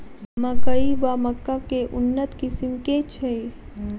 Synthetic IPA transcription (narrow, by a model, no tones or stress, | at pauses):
məkəibaməkːakeʔʊnːət̪kɪsimket͡ʃʰe